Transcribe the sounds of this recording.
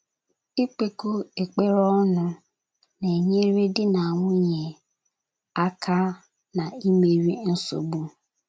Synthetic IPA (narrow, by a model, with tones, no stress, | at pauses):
i˦k͡pe˨ko˦e˨k͡pe˦ɾɔ˦nʊ˦ | ne˨ɲe˦ɾe˦dɪ˦na˨a˨ŋʷʊ˦ɲe˨ | a˦kʰa˦ | na˨i˦me˨ɾi˦n̩˦so̰˨bu˦